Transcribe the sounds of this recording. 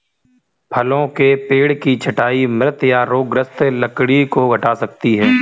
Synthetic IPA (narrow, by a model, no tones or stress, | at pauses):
pʰɐlõkepeːɽkit͡ʃʰɐʈaːimɾət̪jaɾoːɡɾəst̪ləkɽikoɡʱɐʈaːsɐk̚t̪iɦɛː